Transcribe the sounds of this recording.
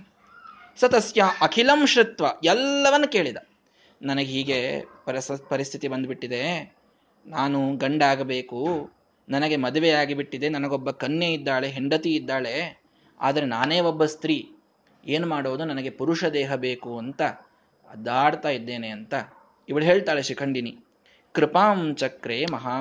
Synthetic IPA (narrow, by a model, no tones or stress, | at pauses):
sɐt̪ɐsjɐʔɐkʰilɐmʃɾit̪ʋɐɛlːɐʋɐnːuke̞ːɭid̪ɐ | nɐnɐɡeɦiːɡepɐɐspɐɾist̪ʰit̪ibɐnd̪biʈːid̪e̞ | naːnuɡɐɳɖaːɡɐbe̞ːku | nɐnɐɡe̞mɐd̪ɐʋejaːɡibiʈːid̪e̞nɐnɐɡobːɐkɐnjeid̪ːaːɭe̞ɦiɳɖɐt̪iːd̪ːaːɭe | a̰ːd̪ɐɾe̞naːneːɔbːɐst̪ɾiː | eːnumaːɽoʋɐd̪unɐnɐɡe̞puɾuʂɐd̪ɛːɦɐbe̞ːkuɐnt̪ɐ | ɐ̰d̪aːɽt̪aːjid̪ːe̞ːneɐnt̪ɐ | iʋɐɭuɦeːɭt̪aːɭeʃikʰɐɳɖini | kɾɪpaːmt͡ʃɐkɾeːmɐɦaː